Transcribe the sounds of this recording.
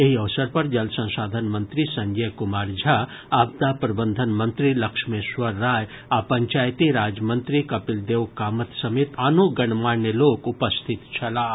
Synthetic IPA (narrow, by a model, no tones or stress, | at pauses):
eɦiɐʋsəɾpɐɾd͡ʒɐlsɐ̃nsaːd̪ʱənmənt̪ɾisɐ̃ŋɡekʊmaːɾd͡ʒʱa | ab̚d̪apɾɐbənd̪ʱənmənt̪ɾilɐkʃmesʋɐɾːaːj | apəɲt͡ʃaːjt̪iɾaːd͡ʒmənt̪ɾikɐpild̪eʋkaːmət̪sɐmet̪anoɡɐɳmanelokupəst̪ʰit̪t͡ʃʰɐla